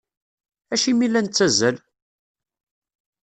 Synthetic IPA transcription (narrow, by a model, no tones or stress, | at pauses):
æʃimilːænt͡sːæzæl